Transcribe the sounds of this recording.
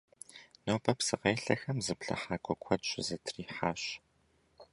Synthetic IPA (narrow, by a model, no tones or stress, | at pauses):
noːpʰɐpsɨqeːɬɐxɐmzɨpɬɐ̰ħaːkʷʰʼɔkʷʰɔtɕʼɪ̰zɐtʰriːħaːɕ